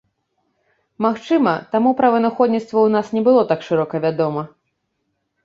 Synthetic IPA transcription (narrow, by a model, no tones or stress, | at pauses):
maxt͡ʂɨmɐt̪amupɾɐvɐnaxɔd̪ʲnʲit̪st̪vɐwnasnʲɛbɨlˠɔt̪akʂɨɾɔkɐvʲad̪ɔmɐ